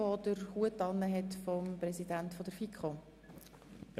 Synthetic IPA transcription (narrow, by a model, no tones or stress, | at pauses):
ɔd̥̪əɾhuətːɑnːəɦɛt̪fɔmpɾɛsidæntfɔd̥̪əɾfikχo